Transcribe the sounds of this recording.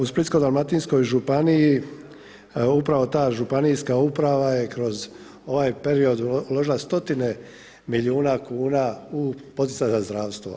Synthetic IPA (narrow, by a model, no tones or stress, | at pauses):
usplit̪sko̞jd̪alˠmat̪insko̞jʒupanii | upɾaʋo̞t̪aːʒupanijskaupɾaʋaje̞kɾo̞z | o̞ʋaːjpe̞ɾio̞d̪ulo̞ʒilˠast̪o̞t̪ine | miʎiuːnaːkuːnaupo̞t̪it̪sajuzazd̪ɾaːʋst̪ʋo̰